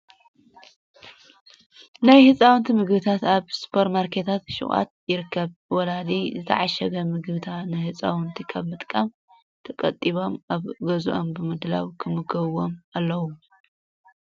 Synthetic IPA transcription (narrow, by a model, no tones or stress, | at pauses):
najhɨt͡sʼawʊnt̪ʰimɨɡbɨt̪ʰat̪aβspʰɐɾmaɾkʰe̞t̪ʰat̪ʃɪ̰χʼa̰t̪̚jɪɾɨkʰːɐβwɔlad̪izɨt̪ʰɐ̰ʕaʃɐɡɐmɨɡbɨt̪ʰanɨjhɨt͡sʼa̰wɨnt̪ʰikʰɐβmɨt̪ʼkʼam | t̪ʰɐkʼɐ̰t̪ʼːiβo̞mʔaβɡɐzuʔo̞mbɨmɨd̪la̰wkʰɨmɨɡɐβwo̞malːɐwu